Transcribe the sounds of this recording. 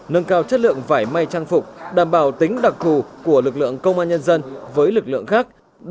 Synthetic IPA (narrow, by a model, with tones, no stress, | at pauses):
nə˧nkaː˧wt͡ɕə˦˥t̚lɨ̰˧˨əŋvaː˧˩jma˧jt͡ɕaː˧ŋfʊ˨˩k͡p̚ɗaː˧˩mɓaː˨˩wt̪ï˨˦ŋ̟ɗa˨˩k̚t̪u˧˩ku˧˩əlɨ˨˩k̚lɨ̰˧˨əŋkə˧wŋ͡mʔaː˧nɲə˧nzə˧nvəː˨˦jlɨ˨˩k̚lɨ̰˧˨əŋxaː˦˥k̚